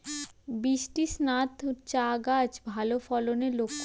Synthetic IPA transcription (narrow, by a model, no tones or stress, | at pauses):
biʃʈisnat̪t͡ɕaɡad͡ʑbʱalofɔlonelokʰː